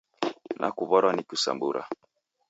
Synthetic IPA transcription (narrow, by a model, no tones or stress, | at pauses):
nʔa̰kuβɔɾwanikusa̰mbuɾa̰